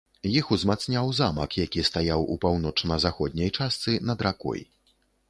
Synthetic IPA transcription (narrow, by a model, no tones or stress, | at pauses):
jixuzmat̪snʲawzamɐkjakʲist̪ajawṵpawnɔt͡ʂnɐzaxɔd̪̚ʲnʲɐjt͡ʂast̪sɨnɐd̪ɾakɔ̰j